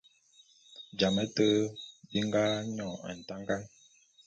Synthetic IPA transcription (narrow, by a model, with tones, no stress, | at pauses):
d͡ʒa˨mə˦tə˦bi˦ŋ˦ɡa˦ɲɔ˦˨a̰˨n̩˨ta˦ŋɡa˦ŋ